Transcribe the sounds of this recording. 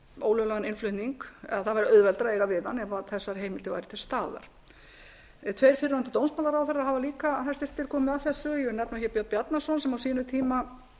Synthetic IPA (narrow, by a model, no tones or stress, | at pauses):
o̰ːwlʏlaɣanɪnflʏht̪niŋkɛ̰ðaθavajɾɪœðvɛlt̪ɾaejɣavɪðanɛvaθɛsːaɾ̥ɦeːjmɪlt̪ɪva̰jɾɪt̪ʰɪlst̪aːða̰ɾ̥ | t̪ʰvejɾ̥fɪɾɪɾant̪ɪt̪ownsmaːlaɾawθɛrːahɦavaliːkaθɛ̥st̪ɪ̥ɾ̥t̪ʰːɪl̥kʰɔːmɪðaθɛsːʏjɛɾnɛpnawçɛɾpjɔwt̪̚pjat̪nasɔnsɛmawsiːnʏt̪ʰiːma